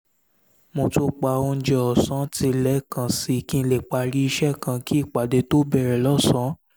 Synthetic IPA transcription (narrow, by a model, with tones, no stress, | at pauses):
mo˧˨to˧k͡pa˧˨o˧n̩˦d͡ʒɛ˧ɔ˨sã˨˦ti˧lɛ˨˦kã˧˨si˧˨kĩ˧le˨k͡pa˧ɾi˦i˧ʃɛ˦˨kã˧kʰi˦˨k͡pa˨de˧to˦bɛ˦˨ɾɛ˨lɔ˦˨sɔ̃˨˦